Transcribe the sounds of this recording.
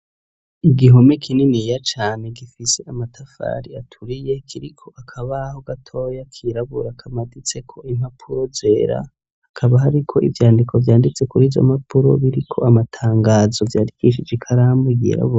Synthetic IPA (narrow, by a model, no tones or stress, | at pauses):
iɡiɦo̞mekʰininijat͡ʃaːne̞ɡifise̞amatʰafa̰ːɾiatʰuɾije̞kʰiɾikʰo̞ʔakʰaβaːho̞ɡatʰo̞jakʰiːɾaβuɾakʰamadit͡se̞kʰo̞im̥apʰuɾo̞ze̞ːɾa̰ | hakʰaβaɦaɾikʰo̞ʔḭvjaːndikʰo̞vjaːndit͡se̞kuɾiːzo̞̰mapʰuɾo̞̰βiɾikʰo̞̰amatʰaːŋɡaːzo̞vjaːɾikiʃid͡ʒikʰaɾamuiɡḭːɾa̰βuɾa